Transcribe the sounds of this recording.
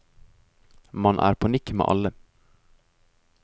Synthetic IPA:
mɑnʔæ̰ːɾpʰɑnɪkmḛːʔɑ̰lə

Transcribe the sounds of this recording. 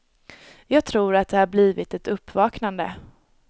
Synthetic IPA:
jɑːɡ̚t̪ʰɾuːɾat̪̚d̪ɛhaɾbliːvɪt̪ɛt̪ɵpːvɑːknand̪ə̰

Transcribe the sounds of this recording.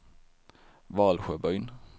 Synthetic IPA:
ʋɑːlɧøːbœʏn

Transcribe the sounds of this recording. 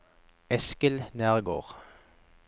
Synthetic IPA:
ɛskəlnæːʁɡo̰ːʁ

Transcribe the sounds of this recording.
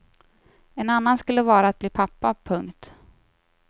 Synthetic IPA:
ɛnanːanskɵlːəvɑːɾaːt̪̚bliːpʰapːapʰɵŋkt̪

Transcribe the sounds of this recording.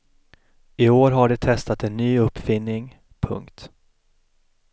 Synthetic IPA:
ɪoːɾɦaɖɛt̪ʰɛst̪at̪ɛnːyːɵpːfɪnːɪŋ | pʰɵ̰ŋkt̪

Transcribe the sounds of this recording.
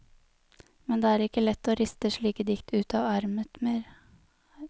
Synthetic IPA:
mɛnd̪eːæːɾɪkːəlɛt̪ːoːɾɪst̪əʂɭiːkəd̪ɪkt̪ʰʉːt̪ɑːʋɑɾmət̪meːɾ

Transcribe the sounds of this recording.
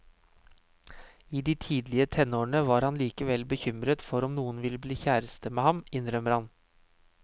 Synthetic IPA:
iːd̪iːt̪ʰiːd̪lɪət̪ʰɛnoːɳəʋɑːɾhɑnliːkəʋɛlbəçʏmɾət̪fɔɾɔmnuːənʋɪlːəbliːçæːɾəst̪əmeːhɑmɪnɾœməɾhɑn

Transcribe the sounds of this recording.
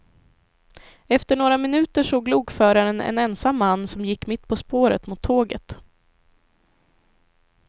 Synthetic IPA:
ɛft̪əɳoːɾamɪnʉ̟ːt̪əʂɔːɡluːɡfœːɾaɾənɛ̰nɛnsamːanːsɔmjɪkːmɪt̪ːpʰɔspoːɾə̰t̪mʊt̪ʰːoːɡə̰t̪

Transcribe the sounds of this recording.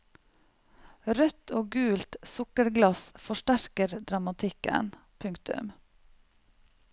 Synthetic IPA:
ɾœt̪ʰoːɡʉːlt̪sʊkəɾɡlɑsfɔʃʈæɾkəɾd̪ɾɑmɑt̪ʰɪkə̰npʰʉŋkt̪ʉ̰m

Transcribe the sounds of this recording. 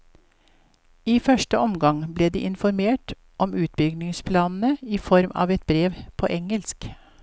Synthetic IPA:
iːfœʂʈəʔɔmɡɑŋbleːd̪ḭːʔɪnfɔɾmeːʈ | ʔɔmʉːt̪̚bʏɡnɪŋspʰlɑːnn̩əiːfɔɾmɑ̰ːʋɛt̪̚bɾeːʋpʰo̰ːʔɛŋəlsk

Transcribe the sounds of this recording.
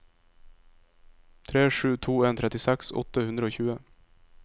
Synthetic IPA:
t̪ʰɾeːʂʉːt̪ʰuːeːnt̪ʰɾɛt̪ɪsæksɔ̰t̪əhʉnd̪ɾəoːçʉːə

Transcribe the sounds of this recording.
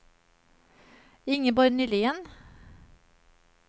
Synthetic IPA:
ɪŋəbɔɾnyːlɪən

